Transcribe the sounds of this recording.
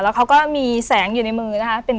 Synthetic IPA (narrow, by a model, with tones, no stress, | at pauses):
lːwkʰa˦˥wkɔː˥˩miː˧sɛː˩˦ŋjuː˨˩na˧jmɯː˧na˦˥kʰa˦˥pe˧n